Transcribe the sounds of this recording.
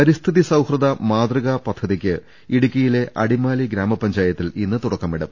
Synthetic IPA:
pɐɾist̪ʰiðisɐwhrɐðɐmaːd̪rɐɣɐpɐd̪ʱːɐðikʲːɨ | iɽukʲːɐjile̞ʔɐɽimaːliɡɾaːmɐpɐɲd͡ʑaːjɐt̪ːilinːɨt̪uɽɐkːɐmiɽɐm

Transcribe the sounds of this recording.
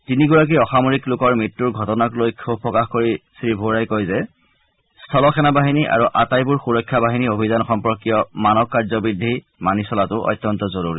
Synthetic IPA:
tiniɡuɹak̬iɔxamoɹiklʊkɔɹmɹitːuɹɡʱɔtɔnaklojkʰubpɹɔkaxkoɹisɹibʱoɹajkojzɛ | stʰɔlɔxʰɛnabaɦiniʔa̰ɹuʔatajbuɹxuɹɔkʰːjabaɦiniobʱizanxɔmpɔkːijɔmanɔkːaɹzɔbidʱːi | manisɔlatʊʔɔ̰jtːjɔntɔzoɹuɹḭ

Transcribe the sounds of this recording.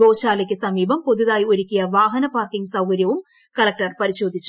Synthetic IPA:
oːʃaːlɐɪkːɯsɐmiːbɐmpɔðuðaːjɔɾɪkːɪjɐʋaːɦɐnɐpaːrkɪŋsɐwkɐɾjɐʋɯm | kɐlɐk̚ʈɐrpɐɾɪʃoːd̪ʱɪt͡ʃːu

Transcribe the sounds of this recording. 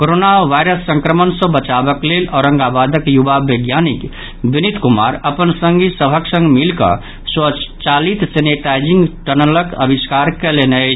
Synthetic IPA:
koɾonaʋajɾəsːə̃ŋkɾəmənsə̃bət͡ʃabəklelɔːɾə̃ŋɡabad̪əkjubaʋeɡjanik | binit̪kuma̰ɾəpənsə̃ŋɡisəbʱəksə̃ŋɡmilkə̰ | swət͡ʃalit̪seneʈajd͡ʒĩŋɡʈənələkə̰bʱiskaɾkɛlenɛ

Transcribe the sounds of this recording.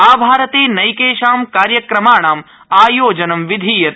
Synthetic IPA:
aːbʱaːɾɐt̪eːnɐjkeːʃaːmkaːɾjɐkɾɐmaːɳaːm | aːjoːd͡ʒɐnɐmʋid̪ʱiːjɐt̪̚

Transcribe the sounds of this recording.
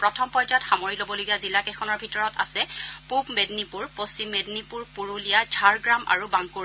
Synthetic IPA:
pɹɔtʰɔmpɔjzatxamɔɹilobɔloɡijazilakɛxʰɔnɔɹbʱitɔɹɔta̰sɛpubmednipuɹposimːednipuɹpuɹulijadʱaɹɡɹama̰ɹubaŋkuɹ

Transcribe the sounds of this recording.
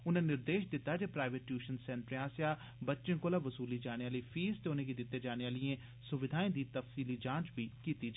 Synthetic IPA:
ʊnẽːnɪɾd̪eːʃd̪ɪt̪ːaːd͡ʒeːpɾaːɪʋeʈjuːʃənsɛ̃ːɳʈɾãːsjaː | bətːʃẽːkoːlaːʋəsuːliːd͡ʒaːñeaːliːpʰiːst̪eːʊnẽːɡid̪ɪt̪ːeːd͡ʒaːneaːlijẽː | sʊʋɪd̪ʱaːĩːd̪iːt̪əfsiːliːd͡ʒãːt͡ʃbiːkiːt̪iːd͡ʒ

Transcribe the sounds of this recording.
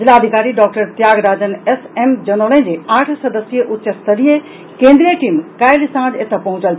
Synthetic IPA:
d͡ʒilaːd̪ʱikaɾiɖɔk̚ʈəɾt̪jaɡɾad͡ʒənesemd͡ʒənəlɛ̃nd͡ʒeãʈʰsəd̪əsijeʔut̪ːʃʰəst̪əlije | kẽnd̪ɾijəʈimkajlsãd͡ʒet̪apəɦũt͡ʃəl

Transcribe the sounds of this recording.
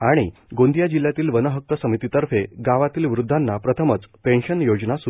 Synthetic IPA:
aɽ̃iɡõnd̪jad͡ʑilːjat̪iːlʋənəɦək̚t̪əsəmit̪it̪əɾfʰeɡaʋat̪iːlʋɾud̪ʱːanːapɾət̪ʰəmət͡spẽɳɕənjod͡znasu

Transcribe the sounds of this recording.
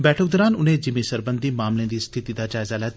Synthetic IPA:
bɛːʈʰək̚d̪ɔːɾaːnʊn̤ẽd͡ʒɪmesɐɾbə̃nd̪ʱimaːmlẽd̪iːst̪ʰɪt̪id̪ad͡ʒaːɪzaːlaː

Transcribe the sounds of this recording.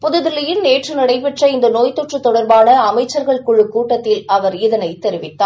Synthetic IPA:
pʊðʊðɪlɐjɪnneːʈrɯnɐɽɐɪpɛʈrɐɪnd̪ɐnoːjt̪ɔʈrɯt̪ːɔɽɐɾbaːnɐːmɐɪt͡ʃːɐɾɣɐɭkʊɭːɯkːuːʈːɐt̪ːɪlɐʋɐɾɪðɐnɐɪt̪ːɛɾɪʋɪt̪ːaː

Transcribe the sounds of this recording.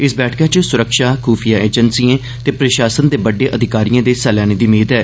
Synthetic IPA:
ɪsbɛːʈʰkaːt͡ʃəsʊɾəkʃaːkʰuːpʰijaːeːd͡ʒənsijẽː | t̪eːpɾəʃaːsənd̪eːbəɖːeːʔəd̪ʱɪkaːɾijãːd̪eːsɛːlaːneːd̪iːmeːd̪ɦɛː

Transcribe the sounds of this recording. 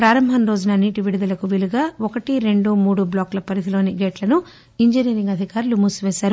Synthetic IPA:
pɾaːɾɐmbʱɐnɾo̞ːd͡ʒunɐniʈiʋiɽid̪ɐlɐkuʋiluɡaːɔkɐʈiɾe̞ɳɖumuːɽublaːklɐpɐɾit̪ilo̞ːniɡeːʈlɐnu | iɲd͡ʒiniːɾiŋɡɐd̪ʱikaːɾulumusʋɛːʃaːɾu

